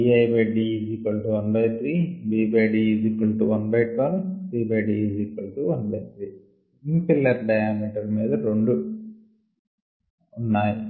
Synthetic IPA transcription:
iɐjbeɖid͡ʒikɐlʈuʋɐnbɐjt̪ʰɾiːbiːbeɖid͡ʒiːkɐlʈuʋɐnbɐjʈʋɐnt̪ɾiːbeɖid͡ʒiːkɐlʈuʋɐnbɐjt̪ɾi | impilːɐɾɖɐjaːmiʈɐɾmiːd̪ɐɾeɳɖu | unːaːji

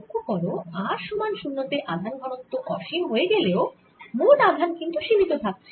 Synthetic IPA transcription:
kʰːokɔɾoaɾʃumanʃunːot̪eʔad̪ʱanɡʱɔɽont̪oʔɔʃimɦoeɡeleo | munad̪ʱankint̪uʃibʱit̪ot̪ʰak̚t͡ɕʰe

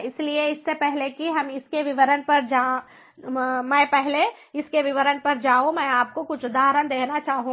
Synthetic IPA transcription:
ɪslieɪsːepɛɦlekiɦɐmɪskeʋɪʋəɾənpɐɾd͡ʒaː | mɛ̃ːpɛɦleɪskeʋɪʋəɾənpɐɾd͡ʒaːũmɛ̃ːaːp̚kokʊt͡ʃʰd̪aːɾənd̪eːknat͡ʃaːɦũ

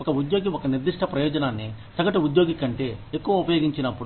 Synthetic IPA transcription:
ɔkɐud̪jo̞ːɡiɔkɐniɾd̪iʂʈʰɐpɾɐjɔːd͡ʒɐnaːnːisɐɡɐʈuud̪jo̞ːɡikːɐɳʈe̞ːekːuʋɐupɐjo̞ːɡiɲt͡ʃinɐpːuɽu

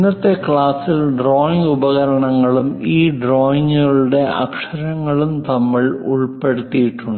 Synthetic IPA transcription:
nːɐt̪ːe̞kɭaːsilɖroːjiŋɡubɐɣɐɾɐɳɐŋːɐɭumiːɖroːjiŋɡɐɭuɽe̞ʔɐ̰kʂɐɾɐŋːɐɭumt̪ɐmːɐɭṵɭpe̞ɽut̪ːijiʈːuɳɖɨ

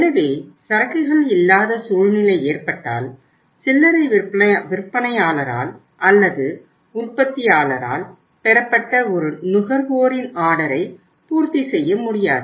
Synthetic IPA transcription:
ɐnɐʋeːsɐɾɐkːɯɣɐɭɪlːaːðɐsuːɻnɪlɐɪeːrpɐʈːa̰ːl | sɪlːɐɾɐɪʋɪɾpːɐnɐjaːlɐɾa̰ːl | ʔɐlːɐðɯ | ʊrpɐt̪ːɪjaːlɐɾa̰ːl | pɛɾɐpːɐʈːɐɔɾɯnʊɣɐɾʋoːɾɪnaːɽɐɾɐɪ | puːɾt̪isɛjːɐmʊɽɪja̰ːðɯ

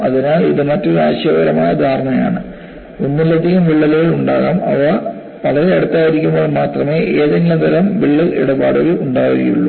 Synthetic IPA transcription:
ɐðinaːlḭðɨmɐtːoɾaːɕjɐʋɐɾɐmaːjɐd̪ʱaːrɳɐja̰ːɳɨ | unːilːɐd̪ʱiɣɐmʋiɭːɐluɣɐɭuɳɖaːɣaːmɐ̰ʋaː | ʋɐɭɐɾeːɽut̪ːaːjiɾikʲːumboːɭmaːt̪rɐme̞ːʔeːðɐŋɡilɐd̪ɐɾɐmʋiɭːɐlḛɽɐba̰ːɽuɣɐuɳɖaːɣuɣɐ̰jṵɭːu

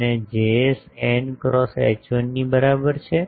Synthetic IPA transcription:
ned͡ʒesɛɳkɾɔsɛ̰t͡ʃənnibəɾabəɾt͡ʃʰe

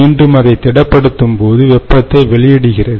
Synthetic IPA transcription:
iːɳɖɯmɐðɐɪt̪ːɛɽɐpːɐɽɯt̪ːɯmpoːðɯʋɛpːɐt̪ːɐɪʋɛɭɪjɛɽɯɣɪrɐðɯ

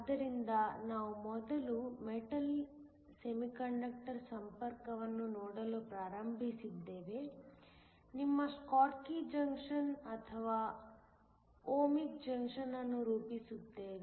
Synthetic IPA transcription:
ɐd̪ɐɾind̪ɐnaːʋumɔd̪ɐlumeʈɐl | semikɐɳɖɐk̚ʈɐɾsɐmpɐɾkɐʋɐnːunɔːɽɐlupɾaːɾɐmbʱisid̪ːe̞ːʋe̞ | nimːɐskaːɾkid͡ʒɐŋkʂɐnɐt̪ʰɐʋaː | oːmik̚d͡ʒɐŋkʂɐnɐnːuɾuːpisud̪ːeːʋe

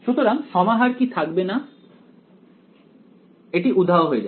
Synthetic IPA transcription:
ʃut̪oɾaŋʃɔmaɦaɾkit̪ʰak̚bena | eʈiʔud̪ʱːaoɦoed͡ʑa

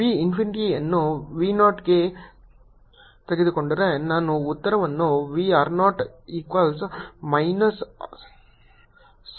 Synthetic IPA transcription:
ʋiːɪnfɪnɪʈiɐnːũʋiːnaːʈɡe | t̪ɐɡɪðɯkɔɳɖɪɾenaːnũʊt̪ːɐɾɐʋɐnːũʋiːaːɾnɔːʈiːkʋalsmɐɪnɐs | s

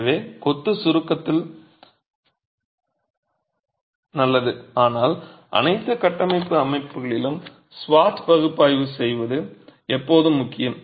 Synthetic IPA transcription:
ʋeːkɔt̪ːɯsʊɾɯkːɐt̪ːɪl | nɐlːɐðɯaːnaːlʔɐ̰nɐɪt̪ːɯkɐʈːɐmɐɪpːɯɐmɐɪpːɯɣɐɭɪlɯm | sʋaːʈpɐɣɯpːaːjʋɯsɛjʋɐðɯɛpːoːðɯmːʊkːɪjɐm

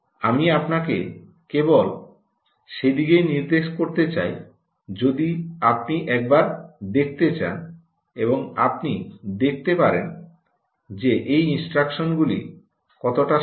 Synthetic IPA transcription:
amiapnake | kebol | ʃed̪iɡejniɾd̪eʃkoɾt̪et͡ɕa̰j | d͡ʑod̪iapniʔɛk̚baɾd̪ek̚ʰt̪et͡ɕa̰n | eboŋa̰pnid̪ek̚ʰt̪epaɾen | d͡ʑeʔejinsʈɾakʃonɡulḭ | kɔt̪oʈa

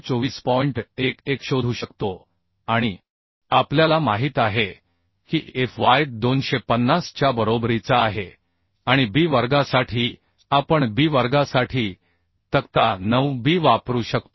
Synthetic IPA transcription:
t͡soʋiːspɔiɳʈekekɕod̪ʱuːɕəkt̪o | aɽ̃i | apljalamaɦiːt̪aɦe | kiːefʋaj̚d̪onɕepənːast͡ɕjabəɾobɾit͡saːɦe | aɽ̃ibiːʋəɾɡasaʈʰiː | apəɳbiːʋəɾɡasaʈʰiː | t̪əkt̪anəʋbiːʋapɾuːɕək̚t̪o

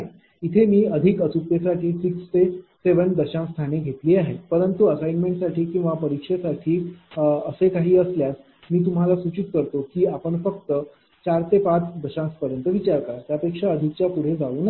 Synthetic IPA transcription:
aɦe | it̪ʰemiːəd̪ʱikət͡supːesaʈʰiːsikst̪eseʋənd̪əɕãst̪ʰaneɡʱet̪liːaɦepəɾənt̪uəsajnmeɳʈsaʈiːkĩw̃ʋapəɾikʂesaʈʰiːəsekaɦiːəsljas | miːt̪̬um̤alasut͡ɕit̪̚kəɾt̪okiːapəɳfəkt̪ə | t͡ɕaɾt̪epat͡sd̪əɕãspəɾjənt̪əʋit͡ɕaɾkaɾat̪japekʂaəd̪ʱik̚t͡ɕjapuɽ̤ed͡zauːna

